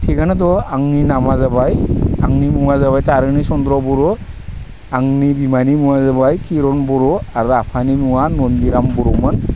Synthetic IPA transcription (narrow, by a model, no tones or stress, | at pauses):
tʰiɡanatɔaŋninamazabajaŋnimuwazaβajtaɾɯnisɔndɾɔbɔɾɔ | aŋnibimanimuwazabajkiɾɔnbɔɾɔaɾuapʰanimuwanɔnɡiɾambɔɾɔmɯn